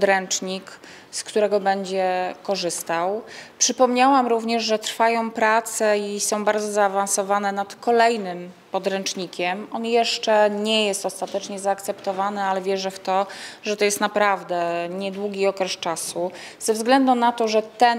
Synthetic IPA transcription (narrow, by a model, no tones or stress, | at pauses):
pɔd̪ɾɛnt͡ʂɲik | skt̪uɾɛɡɔbɛɲd͡ʑɛkɔʐɘst̪awpʂɘpɔmɲawamɾuvɲɛʐʐɛt̪ɾfajɔ̃w̃pɾat̪sɛisɔ̃w̃baɾd̪zɔzaːvansɔvanɛnat̪kɔlɛjnɘm | pɔd̪ɾɛnt͡ʂɲikʲɛmɔnjɛʂt͡ʂɛɲɛjɛst̪ɔst̪at̪ɛt͡ʂɲɛzaːkt̪sɛpt̪ɔvanɘalɛvʲjɛʐɛft̪ɔʐɛt̪ɔjɛst̪napɾavd̪ɛɲɛd̪wuɡʲiɔkɾɛst͡ʂasu | z̥ɛvzɡlɛnd̪unat̪ɔʐɛt̪ɛ